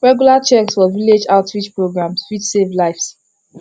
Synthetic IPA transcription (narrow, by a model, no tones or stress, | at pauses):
ɹɛɡjulat͡ʃɛkswɔviled͡ʒaʊtʰɹit͡ʃpɹoɡɹãmswit͡ʃsevlaɪfs